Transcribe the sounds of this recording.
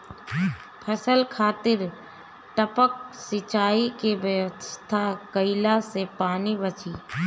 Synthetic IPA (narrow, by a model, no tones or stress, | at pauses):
pʰəsəlkʰaːt̪ɪɾ | ʈəpək̚sɪt͡ʃaːikeʋjəʋəst̪ʰakəɪlasepaːnibət͡ʃiː